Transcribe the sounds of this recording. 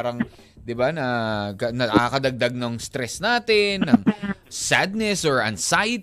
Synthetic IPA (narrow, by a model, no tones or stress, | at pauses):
ɾɐŋ | d̪ɪbanɐkɐnɐakɐd̪ɐɡ̚d̪ɐɡ̚nɐŋst̪ɾɛsnaːt̪ɛnːɐŋsad̪̚nɛsɔɹʔɐ̰nsajɪt̪